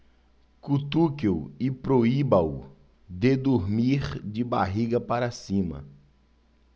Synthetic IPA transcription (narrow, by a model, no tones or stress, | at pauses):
kut̪ukewɪpɾoibaw | d̪ed̪uɾmiɾd͡ʒɪba̰ɦiɡɐpaɾasĩmɐ̰